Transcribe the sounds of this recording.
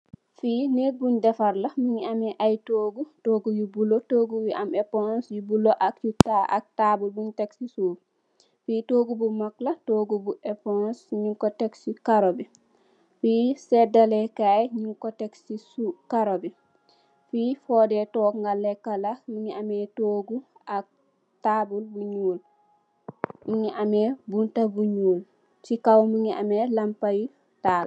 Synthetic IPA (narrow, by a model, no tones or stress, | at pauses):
fiːneɡundɛfaɾlamiɲiamɛʔajtoːɡutoɡujubulɔtoɡuwiʔamɛpɔnsjubulɔʔakjutːaa̰k̚tabubunteksisu | fiːtoɡubumaklatoːɡubuɛpɔnsɲuŋkɔtɛksikaɾobɛ | fisɛdalɛkaːjɲuŋkɔtɛksisukaɾobi | fiːfɔːdɛtɔːkŋɡalːɛkalamiŋiamɛtoːɡu | ak̚ | tabulbuɲuːl | miŋiʔamɛbuntabuɲuːl | sikawmiŋiʔa̰mɛlampaj | taːl